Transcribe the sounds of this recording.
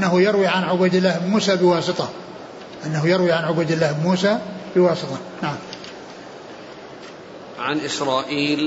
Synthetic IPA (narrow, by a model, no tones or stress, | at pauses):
nːahʊjɑɾwiʕanʕʊbaːd̪ɪlːahbmuːsabɪwɑːsɨt̪ˤɑ | ʔanːaɦujɑɾwiʕanʕʊbaːd̪ɪlːahbmuːsabɪwɑːsɨt̪ˤɑnaʕam | ʕanʔɪsɾˤɑːʔiːl